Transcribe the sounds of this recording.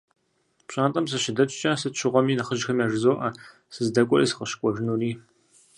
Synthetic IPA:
pɕʼaːntʼɐmsɨʃɪdɐt͡ʃʼt͡ʃʼɐsɨtʃɪʁʷɔmiːnɐχəʒxɐmiaːʒɨzoːʔɐ | sɨzdɐkʷʼɔrḭːsɨ̥qʼɐʃkʷʼɔʒɪnuːriː

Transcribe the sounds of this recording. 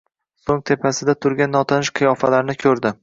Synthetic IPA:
soŋt̪ʰe̞pʰasɪd̪at̪ʰʊɾɡʲanːɒt̪ʰɒnɪʃqʰɨjɒfalaɾnɪkʲʰɵɾd̪ɪ

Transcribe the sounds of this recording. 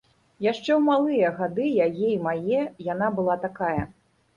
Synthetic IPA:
jaʂt͡ʂɛwmalˠɨjɐɣad̪ɨjajɛjmajɛjanabɨlˠat̪akajɐ

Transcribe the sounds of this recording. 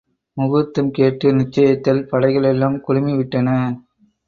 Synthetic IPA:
mʊɣɯt̪ːɯmkeːʈrɯnɪt͡ʃːɐjɐt̪ːɪlpɐɽɐɪɣɐɭɛlːaːmkʊɻʊmɪʋɪʈːɐnɐ

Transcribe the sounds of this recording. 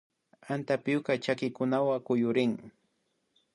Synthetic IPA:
ant̪apɪjokat͡ʃakɪkʊnawakʊjʊɾɪŋ

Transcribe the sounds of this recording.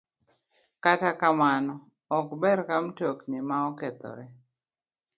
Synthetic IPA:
katakamanɔ | ɔkbɛɾkamtoknemaɔkɛt̪ɔ̰ɾɛ

